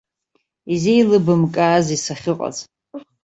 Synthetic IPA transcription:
izejlɨbɨmkʼaːzisaχʲɪqʼa̰zʼ

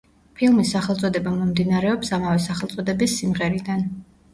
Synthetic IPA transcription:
pʰilˠmisːaχɛlˠt̪sʼɔd̪ɛbamɔmd̪inaɾɛɔpsamavɛsaχɛlˠt̪sʼɔd̪ɛbisːimʁɛɾid̪an

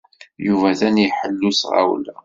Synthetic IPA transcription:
juvæðænjiħəlːusʁa̰wlæ

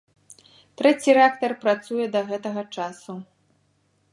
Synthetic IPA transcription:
t̪ɾɛt͡sʲiɾɛak̚t̪ɐrpɾat̪sujɛd̪ɐɣɛt̪ɐɣɐt͡ʂasu

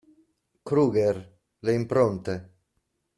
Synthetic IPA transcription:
kɾuːɡeɾ | leimpɾont̪e

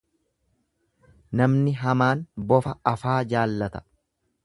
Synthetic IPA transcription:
nɐmnɪɦɐmaːnbɔfɐɐfaːd͡ʒaːlːɐt̪ɐ̥

